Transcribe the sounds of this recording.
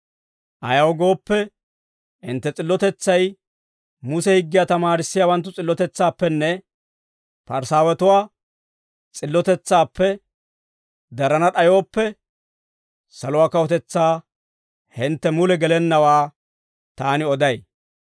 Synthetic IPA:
ʔɐjɐwɡo̞ːpːɛ | ɪnt̪ːɛt͡sʼɪlːɔt̪ɛt͡sːɐj | mʊsɛhɪɡːɪjat̪ɐmaːɾɪsːɪjaːwɐnt̪ːʊt͡sʼɪlːɔt̪ɛt͡sːaːpːɛnːɛ | pɐɾsaːwɛt̪ʊwaː | t͡sʼɪlːɔt̪ɛt͡sːaːpːɛ | d̪ɐɾɐnɐɗɐjoːpːɛ | sɐlʊwaːkɐwɔt̪ɛt͡sːaː | hɪnt̪ːɛmʊlɛɡɛlɛnːɐwaː | t̪aːnɪɔd̪ɐj

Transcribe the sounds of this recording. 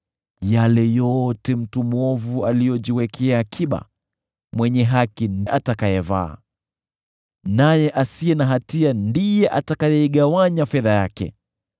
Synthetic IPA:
jalɛjɔtɛm̩tumɔvualijɔd͡ʒiwɛkʰɛakʰiɓa̰ | mwɛɲɛɦakinʔatakajɛva̰ː | najɛʔasiɛnaɦatiandijɛʔatakajɛiɠawaɲafɛðajakɛ̰

